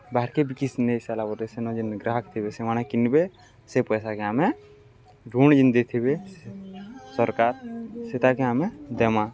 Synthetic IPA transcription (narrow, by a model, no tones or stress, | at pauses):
baɾkebikisnesalabɔt̪esenɔ̃d͡ʒinɡɾaɦək̚t̪ʰibesemañakinbe | sepɔjsakeame | d͡ʒund͡ʒind̪et̪ʰibe | sɔɾkaɾset̪akeamed̪emã